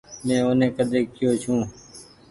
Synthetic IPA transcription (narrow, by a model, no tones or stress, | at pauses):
mẽːonẽːkəd̪eːkːɪjoːt͡ʃʰũː